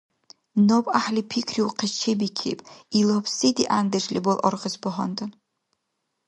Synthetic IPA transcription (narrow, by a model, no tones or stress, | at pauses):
nopʼaħlʲipʰikʰriwqʰet͡ʃʰebikʲʰḛjpʼilopʰsitiʔandeʐlʲḭbolʔo̰rqʼəzbʊħʷa̰ntʰʼan